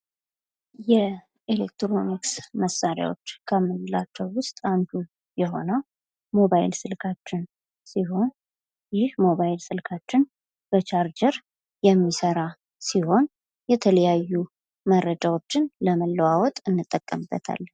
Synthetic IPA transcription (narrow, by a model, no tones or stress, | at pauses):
jɛ | elek̚t̪ɾo̞niksməsːaɾja̰wo̰t͡ʃːkʰəmɨlat͡ʃːɛwwʊst̪ʼand̪u | jɛɦo̞̰nəw | mo̞βajɪ̰lsɨlkʰat͡ʃːɪn | siɦo̞n | jɪhmo̞βajɪlsɨlkʰat͡ʃːɪn | b̥ət͡ʃʰaɾd͡ʒəɾ | jɛmːisəɾa | siho̞n | jɛt̪ʰələjajːu | məɾəd͡ʒawo̞t͡ʃːɪnləməlːəwawɔt̪ʼɨnːɨt̪ʼːəkʼːəmbːə̰t̪ʰa̰lː